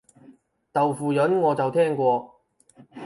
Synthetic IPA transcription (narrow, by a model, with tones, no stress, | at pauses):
t̪ɐ˨wfuː˨jɵ˨˥nŋɔː˨˧t͡sɐ˨wt̪ʰɛː˥ŋkʷɔː˧